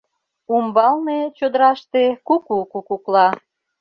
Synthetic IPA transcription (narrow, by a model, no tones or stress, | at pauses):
umbɑlnet͡ɕod̪əɾɑʃt̪ekukukukuklɑ